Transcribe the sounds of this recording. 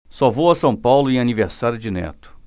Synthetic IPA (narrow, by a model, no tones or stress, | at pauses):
sɔvowɐsɐ̃w̃pawlʊẽaniveɾsaɾjʊd͡ʒɪnɛ̰t̪ʊ̥